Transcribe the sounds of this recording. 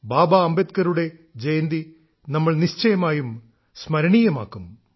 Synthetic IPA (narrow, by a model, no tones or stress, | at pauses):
baːbɐɐmbet̪kɐɾuɽe̞d͡ʑɐjɐnd̪i | nɐmːɐɭniɕt͡ɕɐjɐmaːjum | smɐɾɐɳiːjɐma̰ːkːum